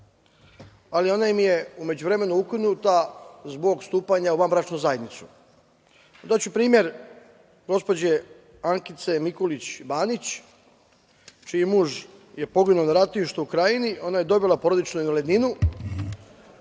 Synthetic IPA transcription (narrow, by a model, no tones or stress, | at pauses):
alio̞naimije̞ume̞d͡ʑuʋɾeme̞nuukinut̪azbo̞ɡst̪uːpaɲauʋambɾat͡ʃnuzajed̪nit̪su̥ | ond̪at͡ɕupɾiːmje̞ɾ | ɡo̞spo̞d͡ʑe | aŋkit̪se̞mikolit͡ɕbaːnit͡ɕ | t͡ʃijimuːʒje̞po̞ɡinuonaɾat̪niʃt̪oukɾajinio̞naje̞d̪o̞bilˠapo̞ɾo̞d̪it͡ʃnuinoled̪ninu